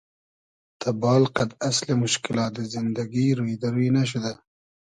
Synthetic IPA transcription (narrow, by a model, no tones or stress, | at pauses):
t̪abɑːlqad̪aslemʊʃkɪlɑːt̪̚d̪əzɪnd̪aɡiɾujd̪aɾunaʃ̬ud̪a